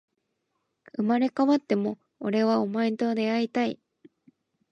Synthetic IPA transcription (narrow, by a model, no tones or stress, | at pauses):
ɯ̟maɾe̞kaβat̪ːe̞mo̞ | oɾe̞βaomaĩnt̪od̪e̞ait̪ai